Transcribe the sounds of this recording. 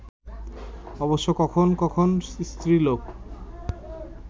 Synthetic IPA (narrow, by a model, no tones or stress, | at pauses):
ɔboʃːokɔkʰonkɔkʰonst̪ɾilok